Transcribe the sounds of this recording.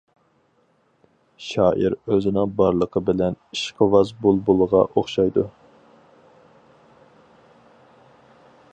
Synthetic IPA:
ʃɑːʔiɾøzɪnɪŋbɑɾlˠəqʰəbɪlɛniʃqʰəvɑzbulˠbolˠəʁɑ̰ʔoχʃɑjd̪u

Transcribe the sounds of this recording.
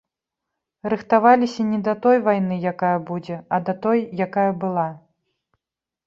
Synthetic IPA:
rɨxt̪avalʲisʲɐnʲɛd̪ɐt̪ɔjvajnɨjakajɐbud͡zʲɛɐd̪ɐt̪ɔjːakajɐbɨlˠa

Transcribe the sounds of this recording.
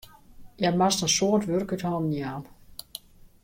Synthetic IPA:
jɛmastənsoətʋørkythɔːnənjaːm

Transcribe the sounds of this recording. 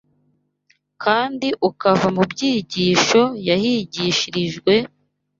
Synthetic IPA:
kʰaːndiʔukavamubɟiːɟiːʃo̞jahiːɟiːʃiɾiʒɡwe̞

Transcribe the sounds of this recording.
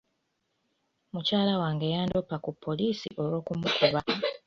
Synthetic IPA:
mucaːlawaːŋɡejaːndopakupʰːo̞liːsḭʔo̞wo̞ːkumukʰuβa

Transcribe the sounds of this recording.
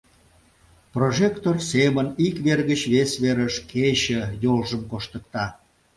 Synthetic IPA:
proʒekt̪orsemənikβerɣət͡ɕβesβeɾəʃkʰet͡ɕəjolʒəmkoʃt̪ək̚t̪ɑ

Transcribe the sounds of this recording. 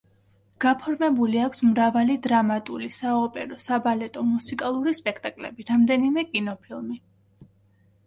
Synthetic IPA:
ɡ̥apʰɔɾmɛbuliakʷʰsmɾavalid̪ɾamat̪ʼulisaɔpʼɛɾɔsabalɛt̪ʼɔmusikʼalˠuɾispʼɛkʰt̪ʼakʼlɛ̰biɾamd̪ɛnimɛkʼinɔpʰilˠmi

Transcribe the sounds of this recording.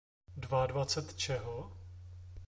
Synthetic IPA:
dvadvat͡sɛt̪t͡ʃɛɦo

